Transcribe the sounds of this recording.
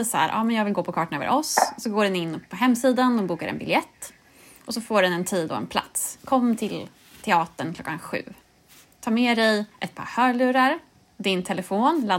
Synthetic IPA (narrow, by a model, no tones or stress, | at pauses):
sa̰ɾʔɑ̰ːmɛnjɑːɡvɪlɡoːpʰɔkʰɑːʈanœ̰ːvə̰ɾʔɔsɔsɔɡoːɖɛnɪnːpʰɔɦɛmːsiːd̪and̪ɔmbuːkaɾɛ̰nbɪljɛt̪ː | ʔɔsɔfoːɖɛnɛnt̪ʰiːd̪ɔ̰ɛ̰npʰla̰t̪skʰɔmːt̪ʰɪl | t̪ʰɛɑːt̪əɳkʰlɔ̰kːanɧʉ̟̰ː | t̪ʰɑːmɛːd̪ɛjʔɛt̪̚pʰɑ̰ːɾhœːɭʉ̟ːɾaɾ | d̪ɪnt̪ʰɛlɛfoːnla